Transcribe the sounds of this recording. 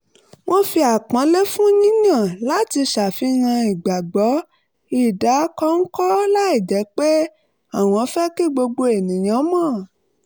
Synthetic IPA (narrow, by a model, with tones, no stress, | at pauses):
wo˦fi˧a˨k͡pã˨˦le˦fũ˦nĩ˦nã˦˨la˦ti˧ʃa˨fi˧˦ŋã˧i˨ɡ͡ba˨ɡ͡bɔ˨˦ | i˨da˨˦kɔ˦ŋ̩˦kɔ˦la˦i˦˨d͡ʒɛ˨˦k͡pe˦ | a˦˨w̃ɔ̃˧˦˧fɛ˦ki˦˨ɡ͡bo˧ɡ͡bo˧e˨nĩ˨j̃ã˨˦mɔ̃˦˨